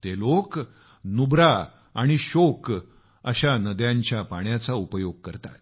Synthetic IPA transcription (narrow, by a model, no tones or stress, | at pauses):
t̪elok | nubɾa | aɽ̃iɕok | ə̰ɕanəd̪jãɲt͡ɕjapaɳjat͡saupəjoɡ̚kəɾt̪a̰t̪̚